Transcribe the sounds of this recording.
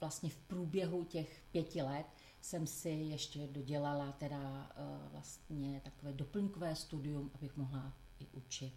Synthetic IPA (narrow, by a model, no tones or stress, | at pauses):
vlast̪ɲɛfpɾuːbjɛɦucɛxpjɛcɪlɛt̪ | sɛmsɪjɛʃcɛdo̞ɟɛlalat̪ɛdavla̰st̪ɲɛt̪akovɛːdo̞pl̩ɲkovɛːst̪udɪjumʔabɪxmo̞ɦla | ʔɪʔut͡ʃɪt̪